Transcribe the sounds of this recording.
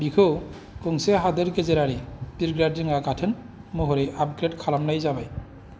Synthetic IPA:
bikʰɯw | kɯŋseɦadɯɾɡezeɾaɾibiɾɡɾadɯŋaɡatʰɯn | muɦɔɾeʔap̚ɡɾed̚kʰalamnajzabaj

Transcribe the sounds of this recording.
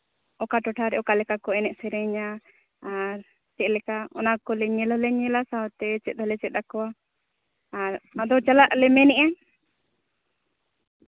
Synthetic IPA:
ɔkaʈɔʈʰaɾɛʔɔkalɛkakɔɛnɛʔsɛɾɛɲa | aɾ | t͡ʃɛʔ̪̚lɛkaɔ̰nakɔlɛɲɛlɔlɛɲɛlasaɔt̪ɛt͡ʃɛt̪̚ˀɦɔlɛt͡ʃɛt̪̚akɔa | aɾad̪ɔt͡ʃalaʔlɛmɛnɛʔa

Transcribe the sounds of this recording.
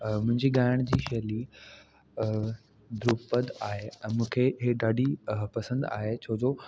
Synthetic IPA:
mʊ̃ɦɪ̃ɲd͡ʑiːɡaːjəɽ̃d͡ʑiːʃeli | d̪ɾupəd̪aːɦeɛ̃ːmũːkʰeɦeɗaːɖʱipɐsə̃nd̪a̰ːɦet͡ɕʰoːd͡ʑoː

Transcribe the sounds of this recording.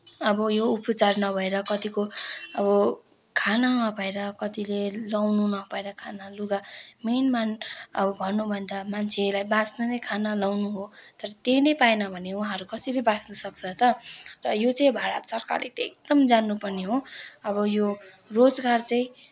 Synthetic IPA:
ʌbʌjoupʌt͡sarnʌbʱʌeɾʌkʌt̪ikoʌβʌ | kʰananʌbʱʌeɾʌkʌt̪ilelawnunʌpaeɾʌkʰanaluɡamenmanʌ̰bʌbʱʌnːubʱʌnd̪amant͡sʰelajbãsnʌnʌjkʰanalawnuɦot̪ʌɾʌt̪ejnʌjpaenʌbʱʌnewuɦãʌɾukʌsilʌbãsnʌsʌk̚t͡sʰʌt̪ʌrʌjot͡sʌĩbʱaɾʌ̰t̪sʌrka̰rlḛt̪ekd̪ʌmd͡zanːupʌrneɦoʌbʌjo | rod͡zɡart͡sʌĩ

